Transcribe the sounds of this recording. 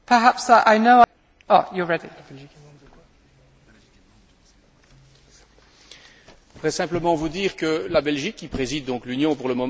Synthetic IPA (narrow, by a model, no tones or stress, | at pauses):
pʰə˞ɦapsaʔaɪnoʊ | ojəɹɛdḭ | vʁɛsɛ̃pləmɑ̃vud̪iːʁkəlabɛlʒikːipχezid̪̚ːɔ̃klynjɔ̃puʁləmɔ